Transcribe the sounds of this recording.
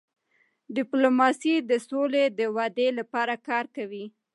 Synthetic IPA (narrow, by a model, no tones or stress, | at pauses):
ɖɪplomɑsid̪əsoled̪əwad̪elapɑɾakɑɾkawi